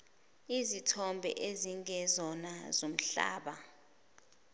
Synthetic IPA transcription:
izitʰɔmbʱɛ̰ʔeziŋɛzɔnazom̩ɬa̰ːɓa

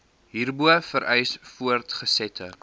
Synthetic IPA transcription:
ɦiːrbuəfəɾʔɛjsfuərtχəsɛtʰə

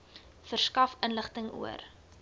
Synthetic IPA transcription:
fərskɐfənləχtəŋṵə̰r

